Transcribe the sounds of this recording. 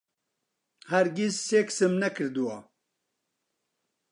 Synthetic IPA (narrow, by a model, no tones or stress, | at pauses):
hɛɾɡisːeːksɨmnɛkʰɨɾd̪uwɑː